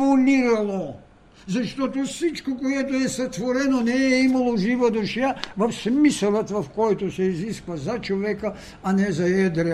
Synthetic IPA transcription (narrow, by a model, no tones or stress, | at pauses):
oniɾalˠo | zaʃt̪ot̪ofsit͡ʃkokoɛt̪oɛsat̪voɾɛnonɛɛimalˠoʒivad̪oʃjavɐfsmisalˠat̪vafkojt̪osɛiziskvazat͡ʃovɛkaː | nɛzaɛd̪ɾɛ